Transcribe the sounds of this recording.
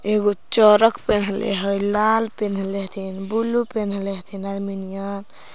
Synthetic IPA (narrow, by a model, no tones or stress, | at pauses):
eɡot͡ʃɔɾəkpenlḛɦəjlalpenleɦt̪ʰinbulupenɦəleɦt̪ʰinad̪minijan